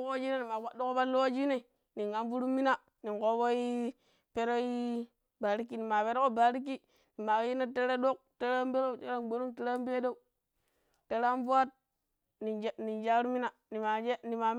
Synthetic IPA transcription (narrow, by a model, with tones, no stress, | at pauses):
kd͡ʒi˦ne˦ni˨ma˨wa˨do˦ko˦ba˦lo˦wa˦d͡ʒi˦ne˦˨ | ni˨ŋa˨nvu˦ɾu˦mi˦na˨ | ni˨ŋko˦bo˦i˦ | pe˦ɾo˦i˦ | ba˨ɾi˦kːi˦ni˨ma˨pe˦ɾo˦ko˦ba˨ɾi˦k̬ːi˦ | ni˨ma˨kji˦na˦te˦ɾe˦do˦k̚te˦ɾa˦mbe˦ɾo˦˨te˦ɾa˦ɡ͡be˦ɾu˦ŋte˦ɾa˦mbe˦do˦u˦ | te˦ɾa˦vu˦a˦t̚ | ni˨ni˨nd͡ʒa˦ɾu˦mi˦na˨ | ni˨ma˨d͡ʒe˦ni˨ma˨